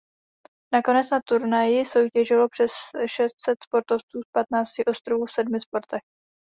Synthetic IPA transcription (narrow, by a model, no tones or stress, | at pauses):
nako̞nɛt͡snat̪uɾnajɪso̞wcɛʒɪlo̞pr̥ɛsʃɛst̪sɛt̪spo̞ɾt̪o̞ft͡suːspat̪naːt͡scɪʔo̞st̪ɾovuːfsɛdmɪspo̞ɾt̪ɛx